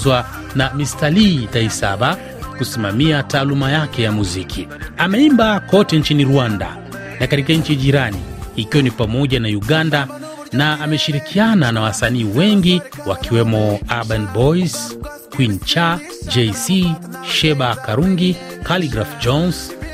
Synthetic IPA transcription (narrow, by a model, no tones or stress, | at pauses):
wa | namistalitaisaɓa | kusimamiataːlumajakɛjamuzikʰiamɛimbakɔtɛnt͡ʃiniɾuanda̰ | nakatikaɲ̩t͡ʃiʄiɾaniikiwɔnipamɔʄanauɠanda | naːmɛʃiɾikʰiananawasaniːwɛŋɡi | wakiwɛmɔaɓɛnbɔis | kwint͡ʃa | d͡ʒɛsi | ʃɛɓakaɾuŋɡi | kaliɡɾafd͡ʒɔns